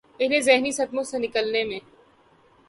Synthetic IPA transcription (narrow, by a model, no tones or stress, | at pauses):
ɪnẽzɛɦnisɐd̪mõsenɪkəlnemẽː